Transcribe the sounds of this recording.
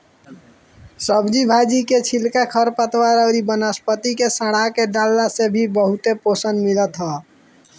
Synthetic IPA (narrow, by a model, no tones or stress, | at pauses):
səbd͡ʒibʱad͡ʒiket͡ʃʰilkakʰəɾpət̪waɾəɾibənəspət̪ikesəɽakeɖalːasebʱibəɦut̪eposənmilət̪ɦa